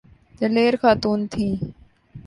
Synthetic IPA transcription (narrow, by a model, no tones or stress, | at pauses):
t̪əleːɾxaːt̪uːnt̪ʰĩː